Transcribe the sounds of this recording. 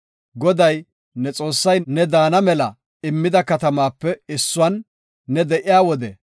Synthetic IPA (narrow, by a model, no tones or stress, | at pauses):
ɡɔd̪ɐj | nɛt͡sʼo̞ːsːɐjnɛd̪aːnɐmɛlɐ̰ | ɪmːɪd̪ɐkɐt̪ɐmaːpːɛɪsːʊɐnː | ɛd̪ɛʔɪjaːwɔd̪ɛ